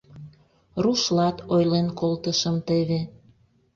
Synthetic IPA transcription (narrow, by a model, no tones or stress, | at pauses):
ruʃlɑt̪ojlenkʰolt̪əʃəmt̪eβe